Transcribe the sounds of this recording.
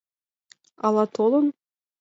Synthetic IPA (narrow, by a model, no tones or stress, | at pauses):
ɑlˠɑt̪olˠɤ̆n